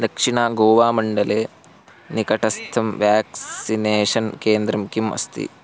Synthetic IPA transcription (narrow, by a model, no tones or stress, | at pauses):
d̪ɐkʂiɳaːɡoːʋaːmɐɳɖɐleː | nikɐʈɐst̪ʰɐmʋjaːkssineːʂɐnkeːnd̪ɾɐmkimɐ̰st̪ḭ